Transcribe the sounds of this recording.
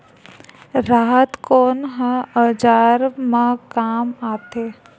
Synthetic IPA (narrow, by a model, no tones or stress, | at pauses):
ɾaːɦət̪koːnɦə̃əd͡ʒaːɾmãkaːmaːt̪eː